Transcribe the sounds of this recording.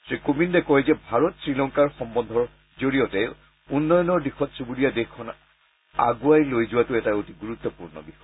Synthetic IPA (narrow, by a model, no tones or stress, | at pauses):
sɹikobindɛkɔjzɛbʱaɹɔtsɹilɔŋkaɹxɔmbɔnd̪ʱɔɹ | zoɹijɔtɛ | unːɔjɔnɔɹdixɔtsubuɾijadexkʰːɔn | a̰ɡuajlojzʊwatʊɛtaotiɡuɹut̪ːɔpuɹnɔ̰bixɔj